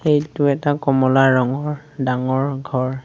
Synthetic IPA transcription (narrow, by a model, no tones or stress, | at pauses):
xejtʊɛtakɔmɔlaɹɔŋɔɹ | daŋɔɹɡʱɔɹ